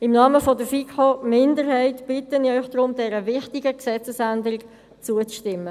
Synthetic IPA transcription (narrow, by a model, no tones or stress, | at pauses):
ɪmnɑːməfɔdəfikχomɪndəɾɦɛɪtb̥ɪtəniœʏçd̥ɾʊmdɛɾəvɪχtɪɡəksɛt͡səsændəɾɪk | t͡suət͡sʃtɪmːə